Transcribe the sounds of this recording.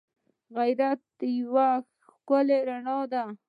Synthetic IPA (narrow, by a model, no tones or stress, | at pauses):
ɣajɾat̪̚d̪əjwa | koleɾaɳɑd̪a